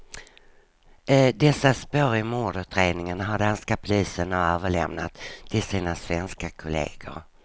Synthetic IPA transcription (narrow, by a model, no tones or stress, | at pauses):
d̪ɛsːaspœɾmoːɖʉt̪ʰɾeːd̪nɪŋənɦaɖanskapʰʊliːsənaøːvəɭɛ̰mna̰t̪ʰːɪlsiːnasvɛnskakʰʊlḛːɡə̰ɾ